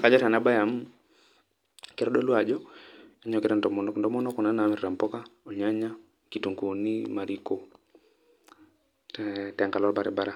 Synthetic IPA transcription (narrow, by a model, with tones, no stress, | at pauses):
ka˨d͡ʒɔ˦ta˨na˦ba˦ja˨m | ke˨˦ɾɔ˦dɔ˦lwa˨d͡ʒɔ˦a˦ɲɔ˨kɪ˦ɾa˦ndɔ˨mndɔ˦mɔ˦nɔ˦kɔ˨na˦naː˨mɪ˨ɾɾa˨mpɔ˦ka˦o˨ɲa˦ɲa˦ | ki˨to˨ŋɡo˨ni˦ma˨ɾi˦ko˨ | tɛ˨ŋka˨lɔ˦lba˨ɾɛ̰˨ba˦ɾa˦